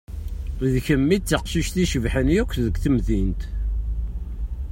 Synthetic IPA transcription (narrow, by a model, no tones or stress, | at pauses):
ðçəmːit͡sːəqʃiʃθiʃəvħənjækʷːðəɡʷθəmðint̪